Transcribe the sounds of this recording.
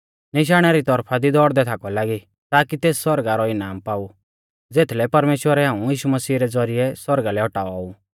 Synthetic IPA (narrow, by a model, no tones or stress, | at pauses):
nɪʃ̬aːɽ̃aɾit̪ɔɾpʰad̪id̪ɔɽd̪ɛt̪ʰakɔlaːɡi | t̪aːkit̪eːsːɔɾɡaɾɔɪnaːmpaːu | d͡zeːt̪ʰlɛpɐɾmeːʃwəɾɛɦãːũjiːʃumɐsiːɾɛd͡zɔɾiɛswɐɾɡalɛɔʈaːɔɔu